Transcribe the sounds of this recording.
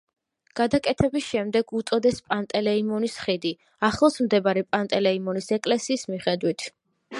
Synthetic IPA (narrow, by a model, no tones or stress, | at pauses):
ɡ̥ad̪akʼɛt̪ʰɛbisʃɛmd̪ɛɡut̪sʼɔd̪ɛspʼant̪ʼɛlɛimɔnisχid̪i | aχlˠɔsmd̪ɛbaɾɛpʼant̪ʼɛlɛimɔnisɛkʼlɛsiːsmiχɛd̪wit̪ʰ